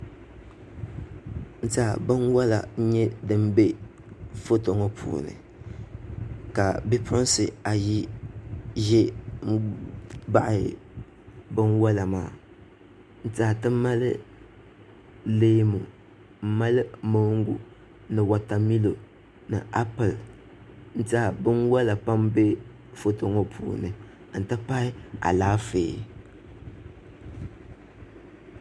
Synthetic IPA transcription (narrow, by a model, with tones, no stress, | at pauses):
n̩˦taː˨bɨ˦nwa˦la̰˨ɲ˦ɲɛ˦dɨ˦mbe˦ | fo˦to˨ŋɔ˦pʰṵː˨nɨ̰˨ | ka˨bɛ˦pʰʊ˦n˦sɨ˨a˨ji˦ | ʒɛ˦ | ba˦ʔɪ˨ | bɨ˦nwa˦la˨maː˨ | n̩˦˨taː˨tɨ˦m˦ma˦lɨ˦ | leː˦mu˨ | m̩˨ma˦lɨ˦mo˦ŋ˦ɡṵ˨ | nɨ˨wa˨ta˨mi˦lo˨ | nɨ̰˨ʔa˦pɨ˨l | n̩˦ta˦˨bɨ˦nwa˦la˨pa˦mbe˦ | fo˦to˦ŋo˦pʰṵː˨nɨ˨ | n̩˨tɨ˦pa˦ɪ˦a̰˨laː˦feː˨